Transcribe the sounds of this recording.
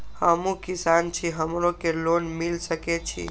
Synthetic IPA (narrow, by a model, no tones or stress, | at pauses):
həmũkisant͡ʃʰiɦəmɾokelonmilsəket͡ʃʰḭ